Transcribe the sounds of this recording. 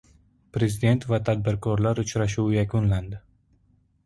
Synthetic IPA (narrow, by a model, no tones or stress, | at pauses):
pɾe̞zɪd̪e̞nt̪vat̪ʰad̪̚bɪɾkʰɒɾlaɾʊt͡ʃɾaʃ̬uwjakʰʊnland̪ɪ